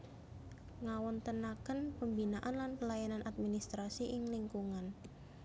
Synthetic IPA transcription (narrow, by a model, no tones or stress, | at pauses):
ŋawɔnt̪ənakənpəmbinaʔanlanpəlajananʔat̪̚minist̪ɾasiʔɪŋliŋkuŋan